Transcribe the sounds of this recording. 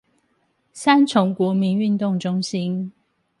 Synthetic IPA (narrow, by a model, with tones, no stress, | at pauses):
sa˦˥nt͡sʰʊ˨˥ŋkwɔ˨˥mi˨˦ny˥˧nt̪ʊ˥˨ŋʈ͡ʂʊ˥ŋɕi˦˥n